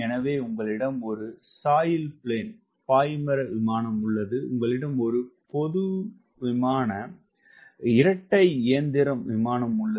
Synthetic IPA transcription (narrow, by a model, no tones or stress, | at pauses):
ɛnɐʋeːʊŋɡɐɭɪɽɐmɔɾɯsaːjɪlpɪɭeːn | paːjmɐɾɐʋɪmaːnɐmʊɭːɐðɯʊ̰ŋɡɐɭɪɽɐmɔɾɯpɔðɯ | ʋɪmaːnɐ | ɪɾɐʈːɐɪɪjɐnd̪ɪɾɐmʋɪmaːnɐmʊɭːɐ